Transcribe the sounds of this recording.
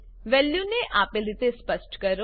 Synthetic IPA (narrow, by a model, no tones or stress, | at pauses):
ʋɛːljuneʔʔaːpelɾit̪espəsʈkəɾo